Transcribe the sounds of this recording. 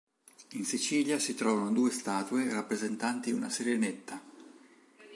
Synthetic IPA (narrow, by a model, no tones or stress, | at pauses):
insit͡ʃiːljasit̪ɾɔːvanod̪uːest̪aːt̪uerapːɾezent̪ant̪iṵna̰seɾenet̪ːa